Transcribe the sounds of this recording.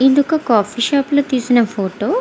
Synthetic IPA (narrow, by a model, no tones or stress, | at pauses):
ind̪ukɐkaːpʰiːʃaːploːt̪iːsunɐpʰoːʈoː